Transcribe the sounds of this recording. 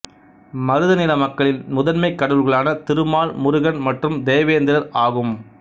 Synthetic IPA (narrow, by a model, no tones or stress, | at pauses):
mɐɾɯðɐnɪlɐmɐkːɐɭɪlmʊðɐnmɐɪkːɐɽɯlɣɐɭaːnɐt̪ɪɾɯmaːɭmʊɾɯɣɐnmɐʈrɯmd̪eːɐʋeːnd̪ɪɾɐɾaːɣɯm